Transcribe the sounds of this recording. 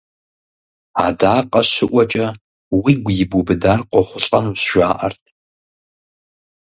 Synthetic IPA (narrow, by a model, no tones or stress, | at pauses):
a̰ːdaːqʼɐʃɪʔʷɔt͡ʃʼɐ | wiːɡʷjɪbʊbɨdaːrqʷʼɔχʷʊɬʼɐnusʒʷaːʔɐ̰rtʰ